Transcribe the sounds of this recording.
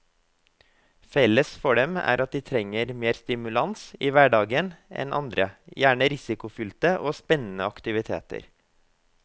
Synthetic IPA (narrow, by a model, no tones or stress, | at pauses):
fɛləsfɔɖɛmæ̰ːɾʔɑt̪̚d̪ɪːt̪ʰɾɛŋːəɾmeːɾst̪ɪmʉlɑnsiːʋæɖɑːɡənɛ̰nʔɑ̰nd̪ɾə̰jæːɳəɾɪsɪkʊfʏlt̪əʔoːspɛnːənəɑkt̪ɪʋɪt̪ʰḛːt̪ə̰ɾ